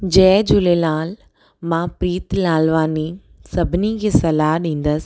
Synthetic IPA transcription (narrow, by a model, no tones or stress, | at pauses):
d͡ʑɛːd͡ʑʊlelaːl | mãpɾiːt̪laːlʋaːni | sɐbʱɪnikʰeːsɐlaːɦɗĩːn̆d̪əsɪ̥̆